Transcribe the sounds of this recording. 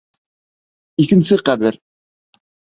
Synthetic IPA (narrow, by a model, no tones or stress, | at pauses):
ikɘ̆nsɘqæbɘɾ